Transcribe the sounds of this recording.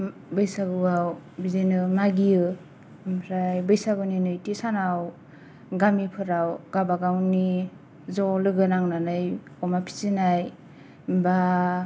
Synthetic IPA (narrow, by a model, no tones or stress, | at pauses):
bɯjsabɯwawbizenɯmaɡiɯ | mpʰɾajbɯjsabɯninɯjtisanaw | ɡamipʰɯɾawɡabaɡawni | zɔlɯɡɯnaŋnanɯj | ɔmapʰi̥zinaj | ba